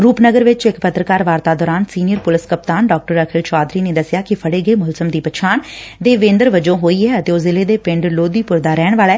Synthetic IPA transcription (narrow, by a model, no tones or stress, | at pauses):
ɾuːpnəɡəɾʋɪt͡ʃɪkpət̪ɾəkaːɾʋaːɾt̪aːd̪ɔːɾaːnsiːnɪjəɾpʊlɪskəp̚t̪aːnɖɔːk̚ʈəɾəkʰɪlt͡ʃaːd̪ɾiːneːd̪əsɪjaːkɪpʰəɽeːɡəeːmʊlzəmd̪iːpət͡ʃʰaːnd̪eːʋẽːnd̪əɾʋəd͡ʒõːɦoːiːɦɛːət̪eːoːzɪleːd̪eːpɪ̃ɳɖloːd̪iːpʊɾd̪aːɾɛːɽ̃ʋaːlɛː